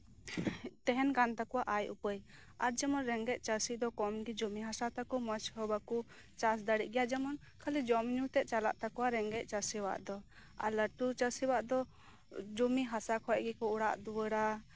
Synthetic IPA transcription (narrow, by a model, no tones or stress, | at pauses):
t̪ɛɦɛnkant̪akɔwaʔajʔṵpəj | aɾ̚d͡ʒɛmɔnɾɛŋɡɛc̚ˀt͡ʃasid̪ɔkɔmɡid͡ʒumiɦasat̪akɔmət͡ʃhəbaku | t͡ʃasd̪aɽiʔ̚ˀɡɛjad͡ʒɛmɔn | kʰalid͡ʒɔmɲut̪ɛʔ̚t͡ʃala̰ʔt̪akɔwaɾɛŋɡɛc̚ˀt͡ʃasiwa̰ʔd̪ɔ | a̰ləʈut͡ʃasiwaʔd̪ɔ | d͡ʒumiɦasakʰɔʔ̚ɡɛkɔuɽa̰ʔd̪uwəɽa